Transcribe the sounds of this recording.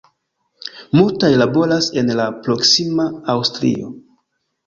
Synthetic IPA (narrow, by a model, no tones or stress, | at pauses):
multajlabo̞ɾase̞nlapɾo̞ksimaawstɾḭo̰